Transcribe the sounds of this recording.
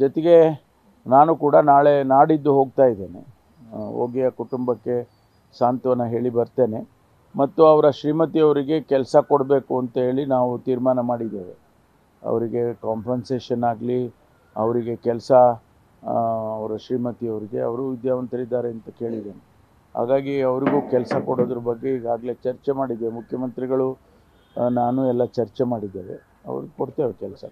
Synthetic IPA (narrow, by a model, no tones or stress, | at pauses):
d͡ʒɔt̪ɛɡe̞ | naːnukuːɽɐnaːɭe̞naːɽid̪ːuɦo̞ːɡ̚t̪aːjid̪e̞ːne̞̰ | o̰ːɡɛjɐkuʈumbɐkːe̞ | saːnt̪ɐʋɐnːɐɦe̞ːɭibɐɾt̪e̞ːne̞ | mɐt̪ːuɐʋɾɐʃɾiːmɐt̪iɐʋɾiɡe̞kɛlsɐkoɽbe̞ːkuɐnt̪ɐɦe̞ːɭinaːʋut̪iːɾmaːnɐmaːɽid̪ːeːʋe̞̰ | ɐ̰ʋɐɾiɡe̞kaːmpʰɾɐnse̞ːʃɐnːaːɡli | ɐʋɐɾiɡe̞kɛlɐsɐ | ɐʋɾɐʃɾiːmɐt̪iɐʋɐɾiɡe̞ɐ̰ʋɐɾuʋid̪jaːʋɐnt̪ʰɐɾid̪ːaːɾeɐnt̪ɐke̞ːɭid̪ːeːne | ha̰ːɡaːɡiɐʋɐɾiɡuːkɛlsɐkoɽoːd̪ɐɾɐbɐɡːe̞iɡaːɡle̞t͡ʃɐɾt͡ʃemaːɽid̪ːemukʰjɐmɐnt̪ɾiɡɐɭu | naːnuɛlːɐt͡ʃɐɾt͡ʃemaːɽid̪ːeːʋe̞̰ | ɐ̰ʋ̰ɾiɡkoɽt̪eːʋekɛlsɐ̰